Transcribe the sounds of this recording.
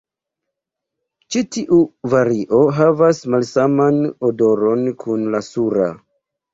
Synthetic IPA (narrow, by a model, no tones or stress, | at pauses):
t͡ʃitiʔuvaɾiʔo̞ɦavasmalsamanodo̞ɾo̞nkʰunlasuɾa̰